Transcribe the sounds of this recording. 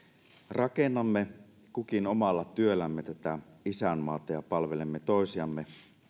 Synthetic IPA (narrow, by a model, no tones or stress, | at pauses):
rɑkenːɑmːe | kukinomɑlːɑt̪yølːˑæmːet̪æt̪æisæmːɑːt̪ɑjɑpɑlʋelemːet̪oˑesiɑmːe